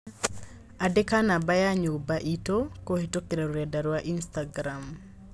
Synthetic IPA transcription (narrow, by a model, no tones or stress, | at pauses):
adekanabajaɲobaʔitokohetokiɾaɾɾadaɾwaʔinstaɡɾam